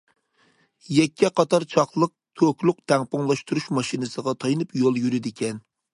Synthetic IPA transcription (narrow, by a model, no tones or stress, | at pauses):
jɛkʲːɛqʰɑt̪ɑɾt͡ʃʰɑχlˠəq̚t̪ʰøkʲlˠʊq̚t̪ʰɛŋpʊŋlˠɑʃt̪uɾuʃmɑʃinɨsəʁɑt̪ʰɑjnɨpjolˠjyɾɪd̪ɪkʲʰɛn